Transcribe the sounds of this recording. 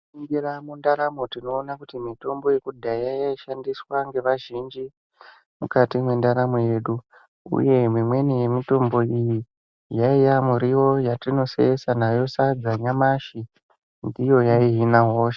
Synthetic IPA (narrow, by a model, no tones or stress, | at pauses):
iŋɡiramundaɾamo̞tino̞ːnakutimito̞mbo̞jekudʱajajaiʃandiswaŋɡe̞ʋaʒind͡ʒi | mukatimwe̞ndaɾamoje̞ːɗu | ṵje̞mwimwe̞nije̞mito̞mbo̞iji | jaijamuɾiwo̞jatino̞sḛesanajo̞sad͡zaɲamaʃi | ndijo̞jaiɦinaɦo̞ːʃe